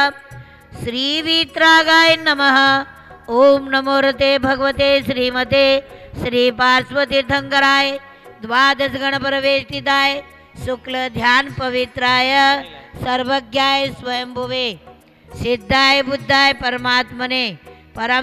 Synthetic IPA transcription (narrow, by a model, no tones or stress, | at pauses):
ʃɾiːʋiːt̪ɾaːɡaːjnɐmɐɦɐ̆ | oːmnɐmoːɾɐt̪eːbʱɐɡɐʋɐt̪eːʃɾiːmɐt̪eːʃɾiːpaːɾsʋɐt̪it̪ʰɐŋɡɐɾaːj | d̪ʋaːd̪ɐsɐɡɐɳɐpɐɾɐʋeːt̪it̪aːj | suklɐd̪ʱjaːnpɐʋit̪ɾaːjɐsɐɾʋɐɡjaːjsʋɐjɐmbʱɐʋeː | sid̪ʱːaːjbud̪ʱːaːjpɐɾɐmaːt̪mɐneːpɐɾɐ